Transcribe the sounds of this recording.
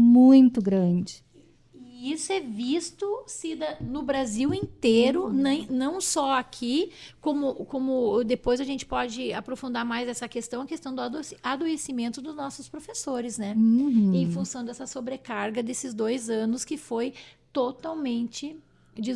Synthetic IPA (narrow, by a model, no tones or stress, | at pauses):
mũj̃t̪ʊɡɾɐ̃d͡ʒɪ | isʊɛvist̪ʊsid̪ɐnʊbɾaziwẽnt̪eɾʊnɐ̃nɐ̃w̃sɔakʰikõmʊkõmʊd̪epojzɐʒẽnt͡ʃɪ̥pɔd͡ʒɪa̰pɾofũnd̪aɾmajzɛsɐkest̪ɐ̃w̃ɐkest̪ɐ̃w̃d̪ʊad̪osad̪oesimẽnt̪ʊd̪ʊznɔsʊspɾofesoɾɪznɛhẽj̃fũsɐ̃w̃d̪ɛsɐsobɾekaɾɡɐd̪esɪzd̪ojzɐ̃nʊskɪfojt̪ot̪awmẽnt͡ʃɪ | d͡ʒi